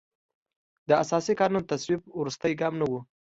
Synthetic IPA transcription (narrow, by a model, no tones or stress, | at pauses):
d̪əasɑsikɑnunt̪aswib̚wɾust̪əjɡɑmnawu